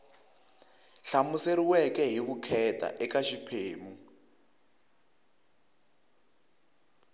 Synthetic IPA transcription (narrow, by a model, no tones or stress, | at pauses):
ɬamuseɾiwɛkɛɦiβukʰɛtʰʼa̰ʔɛkaʃipʰeːmu